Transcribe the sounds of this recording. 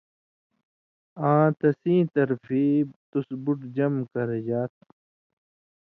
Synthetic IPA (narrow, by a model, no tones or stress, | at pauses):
ãːt̪ɐsĩːt̪ɐɾfiːbt̪usbuʈd͡ʑɐmkɐɾed͡ʑaːt̪̚